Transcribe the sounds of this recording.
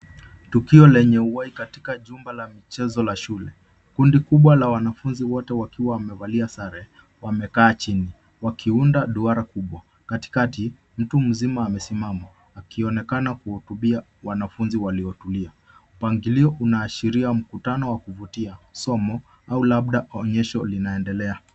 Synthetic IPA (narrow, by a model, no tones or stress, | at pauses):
tukiɔlɛɲɛuwaikati̥kaʄumbalamit͡ʃɛzɔlaʃulɛ | kundikuɓwalawanafunziwɔtɛwakiwaːmɛvaliasaɾɛ | wamɛkaːt͡ʃini | wakʰiundaɗuaɾakuɓwa | kati̥kati | m̩tum̩zimaːmɛsimama | akiɔnɛkanakuhutuɓia | wanafunziwaliɔtulia | m̩upaŋɡiliɔʔunaːʃiɾiam̩kutanɔwakuvutiasɔmɔ | aulaɓ̚ɗaɔɲɛʃɔlinaɛndɛlɛa